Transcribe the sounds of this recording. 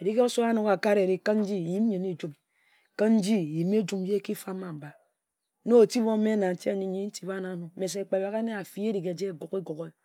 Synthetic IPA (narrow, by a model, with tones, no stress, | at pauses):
e˨ɾi˦ke˦o˦so˦a˦nu˨ka˨ka˦ɾe˨ɾi˨kə˦n̩˦d͡ʒi˦˨ji˦m˦ɲi˨ni˦d͡ʒu˦m | ke˦n̩˦d͡ʒi˦˨ji˨m˦e˦d͡ʒu˦m˦je˦ki˦fa˦ma˨m̩˨ba˨˦ | no˦e˨ti˦bo˦me˦na˨n̩˨˦ti˦a˦˨ɲi˨˦ɲi˦n̩˦ti˦ba˦na˨˦nu˨˦me˨s̬e˨k͡pe˨ba˦ɣe˦ne˦a˨fi˦e˦ɾi˨ke˨d͡ʒe˦˨ɡo˨ke˦ɡo˨ke˦